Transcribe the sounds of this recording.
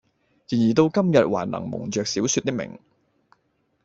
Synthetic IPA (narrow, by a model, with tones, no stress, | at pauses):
jiː˨˩njiː˨˩t̪o˧wkɐ˥mjɐ˨t̚wa̰ː˨˩nlɐ̰˨˩ŋmʊ̰˨˩ŋt͡ʃœː˨k̚siː˨˥wsyː˧t̚t̪ɪ˥k̚mɪ̰˨˩ŋ